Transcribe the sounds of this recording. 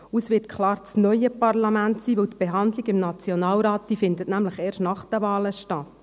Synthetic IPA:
usʋɪt̚kʰlɑːɾt͡snœjəpɑrlɑmæntsiːʋɵwt̪b̥eɦɑnd̪liɡɪmnɑt͡sjonɑːlɾɑːt̚d̥iːfɪndətnæmləχeːɾʃtnɑχd̥̪əʋɑːləʃtɑtː

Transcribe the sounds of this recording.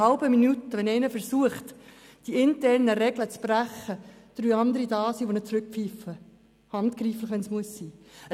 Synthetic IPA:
ɑlbəminutəʋɛnɛɪnəfəɾsuəχtd̥iɪntɛrnəɾɛɡlət͡sb̥ræχəd̪̥ɾyːɑnd̪əɾidɑːsiːʋonət͡sɾɵk̚pfiːfə | hɑnt̪kriːfləχʋɛnsmuəsːiː

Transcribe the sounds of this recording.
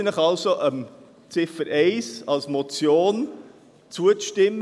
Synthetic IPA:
nəχɑlsoʔəm | t͡sɪfəɾʔɛɪsɑlsmot͡sjoːn | t͡suəʃtɪmː

